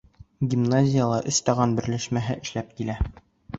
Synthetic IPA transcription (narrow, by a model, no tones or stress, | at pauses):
ɡʲimnazʲɪjəlˠɑʔɵst̪ɑʁɑnbɘ̆ɾlæʃmæɦɘʔɘ̆ʃlæp̚kilæ